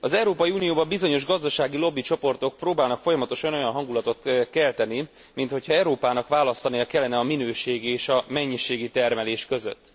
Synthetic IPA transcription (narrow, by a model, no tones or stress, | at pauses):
ɒzɛwɾoːpɒjiuːnijoːbɒmbizo̞ɲo̞ʒɡɒzd̪ɒʃaːɡilo̞bːit͡ʃo̞po̞rt̪o̞k̚proːbaːlnɒkfo̞jɒmɒt̪o̞ʃɒno̞jɒnɦɒŋɡulɒt̪o̞t̪kɛlt̪ɛni | mint̪ho̞cʰhɒɛwɾoːpaːnɒkʋaːlɒst̪ɒniɒkɛlːɛnɛɒminøːʃeːɡieːʃɒmɛɲːiʃeːɡit̪ɛrmɛleːʃkø̞zø̰t̪ː